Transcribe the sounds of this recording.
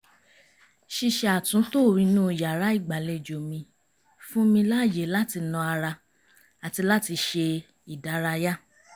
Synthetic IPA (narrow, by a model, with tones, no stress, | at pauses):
ʃi˧ʃe˧a˨tũ˨˦to˦˨ɾĩ˧nũ˦˨ja˨ɾa˨˦i˦˨ɡ͡ba˨le˧˨d͡ʒo˨mĩ˧ | fũ˦mĩ˧la˦˨je˨˦la˦ti˧nɔ̃˧a˧ɾa˧ | a˨ti˧la˦ti˧ʃe˧ | i˨da˨˦ɾa˧ja˦